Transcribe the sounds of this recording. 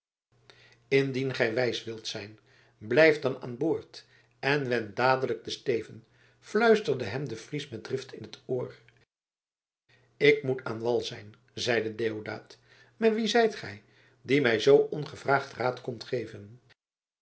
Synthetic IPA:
ɪndinχɛjʋɛjsʋɪlˠtsɛjn | blɛjfdɑna̰ːnboːɹt | ɛnʋɛndaːdələk̚dəstejvən | flœɥstəɹdəɦɛmdəfrismɛt̚drɪftʰɪnɦətoːr | ɪkmutʰa̰ːnʋɑlˠzɛjn | zɛjdədejowda̰ːt | maʋizɛjtχɛ̰j | dimɛjzowʔɔnχəvraːχtraːtkɔmtχejvən

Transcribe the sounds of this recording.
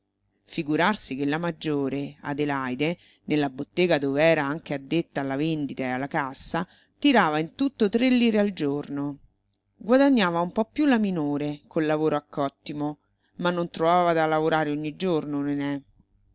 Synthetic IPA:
fiɡuɾarsik̟elːamad͡ʒːoːɾea̰d̪elajd̪e | nelːabot̪ːɛːɡad̪oveɛːɾaaŋk̟ead̪ːet̪ːaːlːavend̪it̪aealːakasːa | t̪iɾaːvaint̪ut̪ːot̪ɾelːiːɾeald͡ʒorno | ɡwad̪aɲːaːvaumpɔpːjulːaminoːɾekolːavoːɾoakːɔt̪ːimo | manːont̪ɾovaːvad̪alavoɾaːɾeoɲːid͡ʒornonenɛ

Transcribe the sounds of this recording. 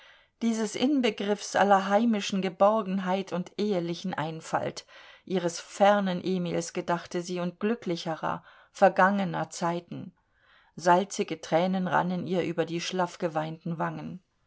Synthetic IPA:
d̥iːzəsʔɪnbəɡʁɪfsʔa̰lɐɦaɪmɪʃn̩ɡəbɔʁɡŋ̩ɦaɪtʰʊntʔeːəlɪçn̩ʔaɪnfa̰ltʔiːʁ̞əsfɛɐnənʔeːmiːlsɡ̥ədaχtəziːʊnt̚ɡ̥lʏklɪçəʁɐ̰ | fɛɐɡaŋənɐt͡saɪtn̩ | zalt͡sɪɡətʁ̥ɛːnənʁa̰nəniːɐʔyːbɐdiːʃlafɡ̥əvaɪntn̩vaŋən

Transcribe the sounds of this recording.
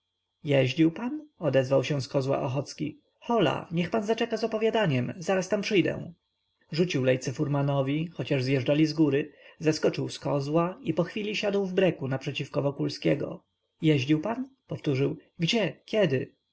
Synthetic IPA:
jɛʑd͡ʑiwpanɔd̪ɛzvawɕɛ̃skɔzwa̰ʔɔxɔt̪skʲi | xɔla̰ɲɛxpanzat͡ʂɛkazɔpɔvʲjad̪aɲɛmzaɾast̪ampʂɘjd̪ɛ̰̃ | ʐut͡ɕiwlɛjt̪sɛfuɾmanɔvʲixɔt͡ɕaʐzjɛʐd͡ʐalʲizɡuɾɘzaskɔt͡ʂɘwskɔzwaipɔxfʲilʲiɕad̪wvbɾɛkunapʂɛt͡ɕifkɔvɔkulskʲɛɡɔ̰ | jɛʑd͡ʑiwpanpɔft̪uʐɘwɡd͡ʑɛkʲjɛd̪ɘ

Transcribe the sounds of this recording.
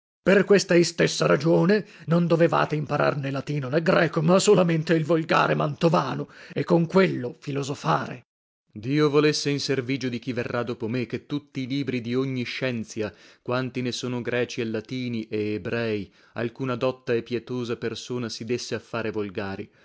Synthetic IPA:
perkwest̪aist̪esːaɾad͡ʒoːnenond̪oveva̰ːt̪eimpaɾa̰rnelat̪iːnoneɡɾɛːkomasolament̪eilvolɡa̰ːɾemant̪ovaːnoɛkːoŋkwelːofilozofaːɾḛ | d̪iːovolesːeinserviːd͡ʒod̪ik̟iverːad̪oːpomek̟ːet̪ːut̪ːiːliːbɾid̪ioɲːiʃːɛnt̪sjakwant̪inesoːnoɡɾɛːt͡ʃielːat̪iːniʔeːbɾɛːi | a̰lkuːnad̪ɔt̪ːaepːjɛt̪oːzapersoːnasid̪esːeafːaːɾevolɡaːɾḭ

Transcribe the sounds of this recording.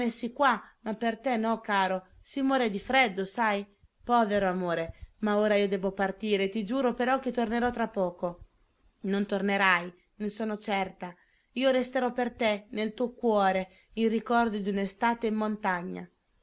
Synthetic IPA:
nesikwamapːert̪ɛnɔkaːɾo | simwɔːɾed̪ifɾɛd̪ːosaj | pɔːveɾoamoːɾemaoːɾaiːod̪ɛːbopart̪iːɾet̪id͡ʒuːɾopeɾɔk̟ːet̪ːorneɾɔt̪ːɾapːɔːko | nont̪orneɾaj | nesoːnot͡ʃɛrt̪a | iːoɾest̪eɾɔpːert̪enelt̪uokwɔːɾe | inrikɔrd̪od̪iunest̪aːt̪eimːont̪aɲːa̰

